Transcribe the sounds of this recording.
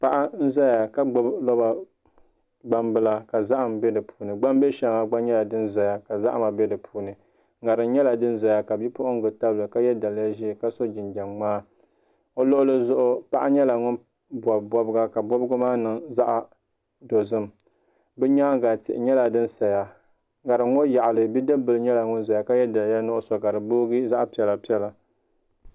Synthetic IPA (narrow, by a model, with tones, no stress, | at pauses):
pa˦ʔa˦n̩˦za˦ja˨ka˦ɡ͡bo˦blɔ˦ba˨ | ɡ͡ba˦mbɨ˦la˦ka˨za˦ʔa˨mbɛ˦dɨ˨pʰu̥ː˨˦nɨ˨ɡ͡ba˦mbɛ˦ʃɛ˨˦ŋa˨ɡ͡ba˦ɲɛ˦la˨dɨ˦n˦za˨ja˨ka˨za̰˦ʔma˨bɛ˦dɨ˨pʰuː˨˦nɨ˨˦ | ŋa˨ɾɨ˨n˦ɲɛ˦la˨dɨ˦n˦za˨ja˨ka˨bi˦pʊ˦ʔʊ˦ŋ˦ɡɨ˨ta˦bɨ˨lɨ˨ka˦jɛ˦da˨lja˦ʒi˦˨ka˦so˦d͡ʒɪ˨nd͡ʒa˨mŋ͡maː˦ | o˦lʊ˦ʔʊ˦lɨ˦zʊ˦ʔʊ˦pa˦ʔa˦ɲɛ˦la˨ŋʊ˦n | bɔ˨bɔ˦bɨ˦ɡa˦ka˨bɔ˦bɨ˦ɡʊ˦maː˦nɨ˨ŋza˦ʔa˨ | do˨zɨ˦m˨ | bɨ˦ɲaː˦ɡa˨tɪ̰˨ʔɪ˨ɲɛ˦la˨dɨ˦n˦sa˨ja˨ | ŋa˨ɾɨ˨ŋo˦ja˨ʔa˨lɨ˨bi˦dɨ˦bɨ˨lɨ˦ɲɛ˦la˨ŋʊ˦n˦za˨ja˨ka˦jɛ˦da˨lja˦nʊ˦ʔʊ˦so˨ka˨ɾɨ˨boː˦ɡi˦za˦ʔpi˨˦ɛ˨la˨pi˦ɛ˦la˨